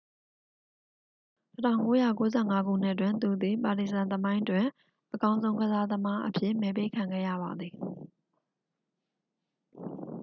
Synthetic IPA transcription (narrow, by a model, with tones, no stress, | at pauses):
tətʰã˦˨ʊ̃ŋko˦ja̰˦˨ko˦zɛ˦˨ŋa˦ɡṵ˦˨n̥ɪ˦ʔtwɪ̃˦˨nt̪u˨d̪i˨pa˨ti˨sã˨nt̪əmã˦ɪ̃twɪ̃˨ | ʔəkã˦ʊ̃zõ˦ʊ̃ŋɡəza˦d̪əma˦ʔəpʰjɪ̰˦˨mɛ˨p̬e˦˨kʰã˨ŋɡɛ̰˦˨jä̰˦˨ba˨d̪ði˨